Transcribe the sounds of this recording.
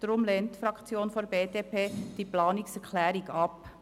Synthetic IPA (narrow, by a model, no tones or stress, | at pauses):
d̥ɾʊmleːntfɾɑkt͡sjoːnfɔɾbeːdeːpʰeːd̥iplɑːnɪksɛɾkʰlɛːɾɪɡɑp